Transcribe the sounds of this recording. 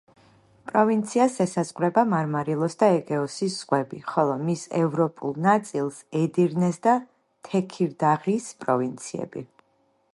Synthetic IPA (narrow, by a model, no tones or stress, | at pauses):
pʼɾɔvint̪sʰiasɛsazʼqʼvɾɛbamaɾmaɾilˠɔsd̪aɛɡɛɔsisz̥ʁwɛbiχɔlˠɔmisɛ̰vɾɔpʼṵlˠnat̪sʼilˠsɛd̪iɾnɛsd̪a | t̪ʰɛkʰiɾd̪aʁispʼɾɔvint̪sʰiɛ̰bi